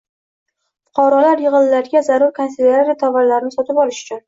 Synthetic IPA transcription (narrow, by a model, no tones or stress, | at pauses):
fʊ̥qʰɒɾɒlaɾjɪʁɨnlaɾɡʲazaɾʊɾkʰanseleɾaɾat̪ʰɒvaɾlaɾɪnɪsɒt̪ʰɪpɒlɪʃʊ̥t͡ʃʰʊn